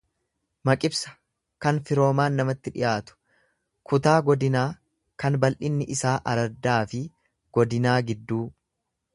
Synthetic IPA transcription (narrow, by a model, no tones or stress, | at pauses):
mɐkʼɪbsɐ̥ | kɐnfɪɾo̞ːmaːnːɐmɐt̪ːɪᶑɪ̰jaːt̪ʊ̥ | kʊt̪aːɡɔd̪ɪnaː | kɐnbɐlʔɪnːɪʔɪsaːʔɐɾɐɾd̪aːfɪ | ɡ̥ɔd̪ɪnaːɡɪd̪ːuː